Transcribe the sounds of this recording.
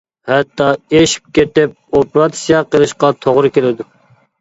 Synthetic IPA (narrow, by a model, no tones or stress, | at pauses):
hɛt̪ːɑeʃi̥p̚kʲet̪ɪp̚opɾɑt̪ʰsijɑqʰəlˠɨʃqɑt̪ʰoʁɾɨkʲelɪd̪u